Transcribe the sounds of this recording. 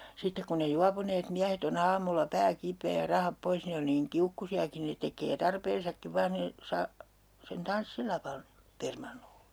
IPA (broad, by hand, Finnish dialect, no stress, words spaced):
sitːek kun ne juɑpuneːt miæhet on ɑːmulːɑ pæː kipˑeː jɑ rɑhɑp pois ne on niːŋ kiukːusiɑkin ne tekˑeː tɑrpeːnsɑkːiʋ ʋɑːn̞ niː sɑː sen tɑnsːilɑʋɑn permɑnːole̥